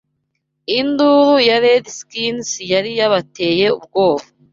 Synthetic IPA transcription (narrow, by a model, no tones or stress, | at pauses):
ind̪uːɾujaɾed̪iskinsijaɾijaβate̞ːje̞ṵbɡo̞ːβo